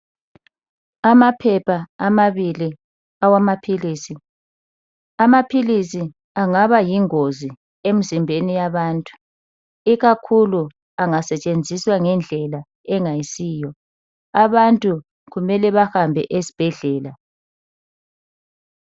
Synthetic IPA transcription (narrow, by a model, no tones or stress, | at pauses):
amapʰɛpʰaːmaβili | awamapʰiliːsi | amapʰilisi | aŋaβajiŋozi | em̩zimbʱenijaβaːntʼu̥ | iɣakʰulu | aŋasɛt͡ʃʼend͡zʱiswaŋɛnd͡ɮʱɛla | ɛŋajisiːjɔ | aβantʼu | ɣumɛlɛβahambʱɛ̰ʔesi̥b̥ʱɛɮɛːla